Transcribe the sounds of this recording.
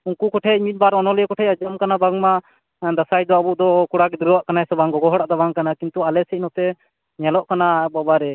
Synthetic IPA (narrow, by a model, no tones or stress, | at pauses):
uŋkukɔʈʰɛimit̪̚baɾɔnɔlɛjɛkɔʈʰɛjad͡ʒamkanabaŋma | d̪asajd̪ɔabuʔd̪ɔkuɽakid̪ɾawaʔkanaɛsɔbaŋɔɡɔɦɔɽaʔd̪abaŋkanakint̪ualɛsɛc̚nɔt̪ɛ | ɲalɔʔkanabɔbaɾɛ